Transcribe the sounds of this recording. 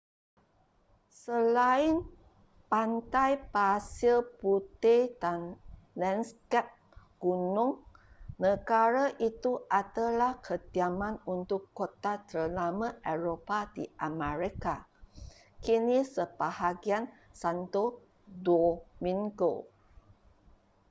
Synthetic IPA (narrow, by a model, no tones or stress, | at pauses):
səlain | pant̪ajpasəlput̪edanlɛnskɛp̚ | ɡ̥unʊ̃ŋnəɡaɾaʔit̪uʔadəlahkʰəd̪iamãnunt̪ʊkːot̪at̪əlamãʔɛɾopadḭʔamɛɾika | kinisəbahaɡiansant̪o | domĩŋɡo̰